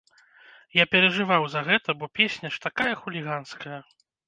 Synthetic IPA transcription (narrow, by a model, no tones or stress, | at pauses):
japʲɛɾɐʐɨvawzɐɣɛt̪ɐbɔpʲesʲnʲɐʂt̪akajɐxulʲiɣanskɐjɐ